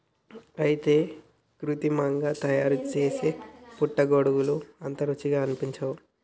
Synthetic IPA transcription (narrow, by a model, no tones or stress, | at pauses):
ɐjit̪e̞ː | kɾut̪imɐŋɡaːt̪ɐjaːɾut͡ʃeːseːpuʈːɐɡoɽuwuluɐnt̪ɐɾut͡ʃːiɡaːɐnipiɲt͡ʃɐwu